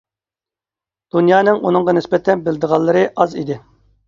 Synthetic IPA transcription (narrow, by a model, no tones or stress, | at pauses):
d̪̥unjɑːnɨŋʔunɨŋʁɑnɪspɛt̪ʰɛnbɪld̪əʁɑlˠːɨɾɨʔɑzḭd̪ɪ